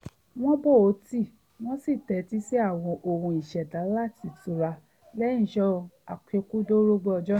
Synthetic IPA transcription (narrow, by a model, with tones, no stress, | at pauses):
w̃ɔ̃˦bo˦˨o˨˦ti˦˨ | w̃ɔ̃˦si˦˨tɛ˨˦ti˦si˦a˦˨w̃ɔ̃˧ʔo˧hũ˧i˨ʃɛ˨da˨˦la˦˨ti˨tu˨˧˦ɾa˧ | lɛ˦ĩ˦˨ʃɔ˦a˨k͡pe˧ku˦do˦ɾo˦ɡ͡bɛ˦ɔ˧d͡ʒɔ˦